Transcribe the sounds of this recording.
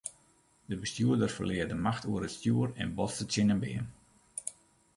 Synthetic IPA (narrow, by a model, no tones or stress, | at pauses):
dəbəstjuədərfə̰rlɪːərdəmaxtuəɾətstjuːərɛ̰nbɔtsətsɪnəmbɪ̰ən